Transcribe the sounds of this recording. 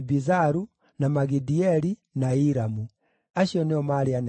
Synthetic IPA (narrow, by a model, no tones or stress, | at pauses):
bizaɾu | namaɡidiɛɾinaiɾamu | aʃiɔnɛɔmaɾian